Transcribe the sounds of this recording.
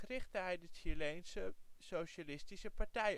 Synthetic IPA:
ərɪχtəɦɛjdəʃilejnsəsowʃalɪstisəpɑɹtɛj

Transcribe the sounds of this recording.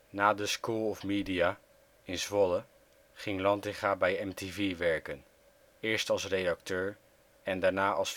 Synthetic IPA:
naːdəskulˠɔfmidiaː | ɪnsʋɔlə | χɪŋlɑntɪχaːbɛjɛmteviʋɛɹkən | ɪːɹstɑlˠsrejdɑk̚tøːɹ | ɛndaːɹnaːʔɑlˠs

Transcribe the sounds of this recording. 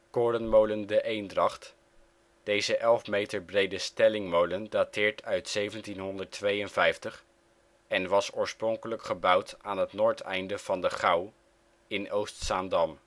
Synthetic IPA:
koːɹdənmowləndəʔejndrɑχt | d̥ejzəʔɛlˠfmejtəɹbrejdəstɛlɪŋmowləndatɪːɹtœɥtsejvəntinɦɔndəɹtʋejənvɛjftəχ | ɛnʋɑsʊːɹsprɔŋkələkχəbʌwtaːnɦətnʊːɹtɛ̰jndəv̥ɑndəχɑw | ɪnowstsaːndɑm

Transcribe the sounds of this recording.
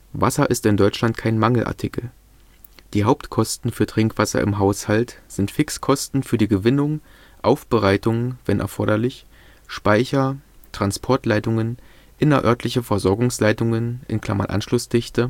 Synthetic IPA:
vasɐʔɪstɪndɔʏt͡ʃlantkʰaɪnmaŋl̩ʔa̰ɐtʰɪkl̩ | d̥iːɦaʊptkʰɔstn̩fyːɐtʁ̥ɪŋkv̥asɐ̰ʔɪ̰mɦaʊshaltz̥ɪntfɪkskʰɔstn̩fyːɐdiːɡəvɪnʊŋ | ʔaʊfb̥əʁaɪtʊŋvɛnʔɛ̰ɐfɔɐɾɐlɪç | ʃpaɪçɐtʁ̥anspʰɔɐtlaɪtʊŋən | ʔɪnɐʔœɐtʰlɪçəfɛɐzɔɐɡʊŋslaɪtʊŋənʔɪ̰nkʰl̥a̰ma̰nʔa̰nʃlʊsd̥ɪçtə

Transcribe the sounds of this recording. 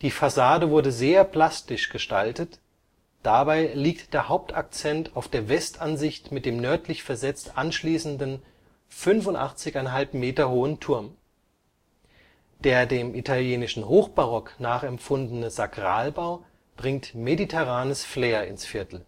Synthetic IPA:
d̥iːfasaːdəvʊɐdəzeːɐpʰl̥astɪʃɡ̥əʃtaltət | d̥abaɪliːk̚td̥eːɐhaʊp̚tʰak̚t͡sɛntʰaʊfd̥eːɐvɛstʔanzɪçtmɪt̚d̥eːmnœɐtʰlɪçfɛɐzɛt͡stʔanʃliːsn̩dən̩ | fʏnfʊntʔa̰χt͡sɪçaɪnɦalpmeːtɐhoːəntʰʊɐm | d̥eːɐdeːmʔitʰaljeːnɪʃn̩hoːxb̥aʁɔknaːχɛmfʊndn̩əzaɡʁa̰ːlbaʊ | b̥ʁɪŋtmeditʰɛʁ̞aːnəsfleːɐɪ̰nsfɪɐtʰl̩

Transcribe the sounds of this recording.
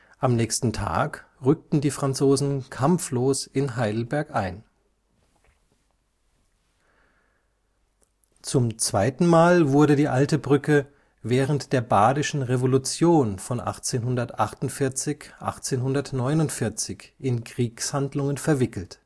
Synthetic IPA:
ʔamnɛːçstn̩tʰa̰ːkʁʏk̚tn̩diːfʁ̥ant͡soːzn̩kʰamfloːsɪnɦaɪdl̩bɛɐkʔaɪn | t͡sʊmt͡sv̥aɪtn̩maːlvʊɐɾədiːʔaltəbʁʏkə | vɛːʁ̞əntd̥eːɐbaːdɪʃn̩ʁevolut͡sjoːnfɔnʔa̰χt͡seːnɦʊndɐtʔaχtʊntfɪɐt͡sɪçʔa̰χt͡seːnɦʊndɐtnɔʏnʊntfɪɐt͡sɪçʔɪnkʁ̥iːkshandlʊŋənfɛɐvɪkl̩t

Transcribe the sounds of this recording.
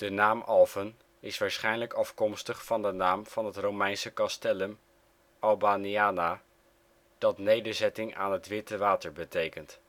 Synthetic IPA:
d̥ənaːmʔɑlˠvən | ɪsʋaːɹsχɛjnləkɑfkɔmstəχfɑndənaːmv̥ɑnɦətrowmɛjnsəkɑstɛləm | ɑlˠbaːniaːna | d̥ɑtnejdəɹzɛtɪŋa̰ːnɦətʋɪtəʋaːtəɹbətejkənt

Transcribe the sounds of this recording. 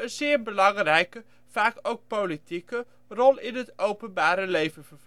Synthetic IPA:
ənzɪːrbəlɑŋrɛjkə | faːkowk̚politikə | rɔlˠɪnɦətowpənbaːɾəlejvəfərv

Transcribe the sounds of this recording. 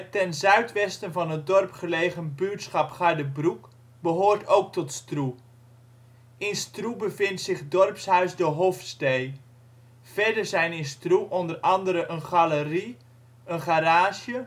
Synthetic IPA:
tɛnzœɥtʋɛstənvɑnɦət̚dɔrpχəlejχənbytsχɑpχadəbruk | bəɦoːrtowk̚tɔtstru | ʔɪnstrubəvɪntsɪχdɔrpsɦœɥsdʊːɹɦofstej | vɛɹdəɹzɛjnɪnstruʔɔndərɑndəɾəʔənχaləri | ənχaɾaːʃjə

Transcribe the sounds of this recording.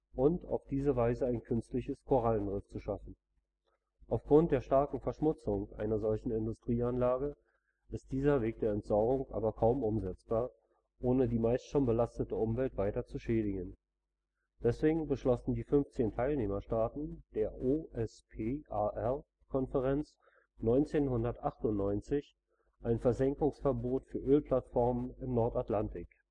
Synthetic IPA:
ʔʊnta̰ʊfd̥iːzəvaɪzəaɪnkʰʏnstlɪçəskʰoʁalnʁɪft͡suʃafn̩ | ʔaʊfɡ̥ʁʊnt̚d̥eːɐʃtaɐkŋ̩fɛɐʃmʊt͡sʊŋʔa̰ɪnɐzɔlçn̩ɪndʊstʁ̥iːanlaːɡə | ʔɪst̚d̥iːzɐveːk̚d̥eːɐɛntz̥ɔɐɡʊŋʔa̰ːbɐkʰaʊmʔʊmzɛt͡sb̥aːɐ | ʔoːnədiːmaɪstʃoːnbəlastətəʊmvɛltv̥aɪtɐt͡suʃɛːdɪɡən | d̥ɛsv̥eːɡŋ̩bəʃlɔsn̩diːfʏnft͡seːntʰaɪlneːmɐʃtaːtn̩d̥eːɐʔoɛspʰeːʔaʔɛʁ | kʰɔnfəʁɛnt͡s | nɔʏnt͡seːnhʊndɐtʔaχtʊntnɔʏnt͡sɪç | ʔaɪnfɛɐzɛŋkʊŋsfɛɐboːtfyːɐʔøːlpʰl̥atfɔɐmənɪmnɔɐtatlantʰɪk

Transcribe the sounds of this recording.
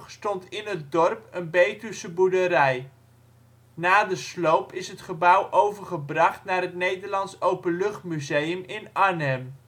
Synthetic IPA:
χstɔntɪnɦət̚dɔrpənbejtysəbudəɾɛj | naːdəslowpɪsɦətχəbʌwʔowvəɹχəbrɑχtnaːrɦətnejdəɹlɑnsowpəlɵχtmyzejəmɪnanɛm

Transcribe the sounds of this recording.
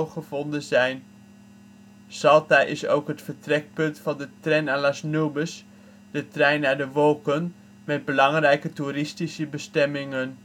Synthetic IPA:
χəvɔndənzɛjn | sɑlˠtaʔɪsowkɦətfəɹtrɛk̚pɵntfɑndətrɛjnanlasnuwbəs | dətrɛjnːaːɹdəʋɔlˠkən | mɛd̚bəlɑŋrɛjkəturɪstisəbəstɛmɪŋən

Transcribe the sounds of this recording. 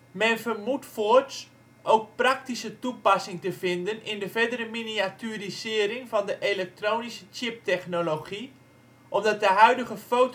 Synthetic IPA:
mɛnvərmutfots | ʔowk̚prak̚tisətupasɪŋtəvɪndənɪndəvɛdəɾəminiatyrisɪəɾɪŋvɔndəʔelɛk̚troːnisə̥t͡ʃɪp̚tɛχnoloχi | ʔɔfdɑt̚dəɦœɥdəɣəfoːt

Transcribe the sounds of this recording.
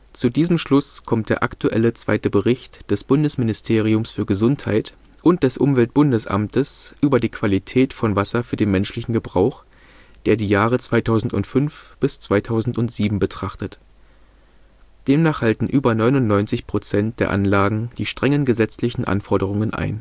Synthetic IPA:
t͡sudiːzəmʃlʊskʰɔmtd̥eːɐʔa̰ktʰuʔɛ̰lət͡sv̥a̰ɪtəbəʁɪçtd̥ɛsb̥ʊndəsmɪnɪstʰeːʁ̞iʊmsfyːɐɡəzʊnthaɪt | ʔʊnt̚d̥ɛsʔʊmvɛlt̚b̥ʊndəsʔa̰mtəsʔyːbɐdiːkʰv̥alitʰɛːtfɔnvasɐfyːɐdeːnmɛnʃlɪçn̩ɡəbʁaʊx | d̥eːɐdiːjaːʁ̞ət͡sv̥aɪtʰaʊzn̩tʊntfʏnfb̥ɪst͡sv̥aɪtʰaʊzn̩tʊntz̥iːbm̩bətʁ̥aχtət | d̥eːmnaːχhaltn̩ʔyːbɐnɔʏnʊntnɔʏnt͡sɪçpʁ̥ot͡sɛnt̚d̥eːɐʔa̰nlaːɡŋ̩d̥iːʃtʁ̥ɛŋənɡəzɛt͡slɪçn̩ʔa̰nfɔɐdəʁ̞ʊŋənʔa̰ɪn

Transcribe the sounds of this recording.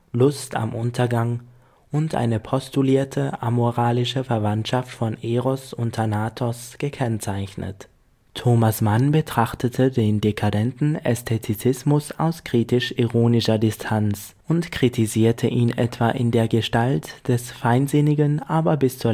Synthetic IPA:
lʊsta̰mʔʊntʰɐɡaŋ | ʊntʔa̰ɪnəpʰɔstuliːɐtʰəʔamoʁaːlɪʃəfɛɐvantʃaftfɔneːʁɔsʊntʰanaːtʰɔsɡ̥əkʰɛnt͡saɪçnə̰t | tʰoːmasmanbətʁ̥aχtʰətʰədeːndekʰadɛntn̩ɛstʰɛtʰit͡sɪsmʊsa̰ʊskʁ̥iːtɪʃiʁoːnɪʃɐdɪstʰant͡s | ʔʊntkʁ̥itʰiziːɐtʰəʔiːnʔɛ̰tv̥aːʔɪ̰ndeːɐɡəʃtaltd̥ɛsfaɪnzɪnɪɡənʔaːbɐbɪst͡suːɐ

